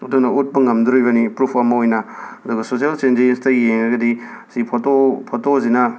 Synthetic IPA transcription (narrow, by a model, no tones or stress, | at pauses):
ɐdunɐut̚bɐŋɐmduɾojbɐnipɾupʰɐmɐojnɐɐduɡɐsos̬ijalt͡ʃend͡ʒenstɐjeŋɾɐɡɐdi | sipʰotopʰotozinɐ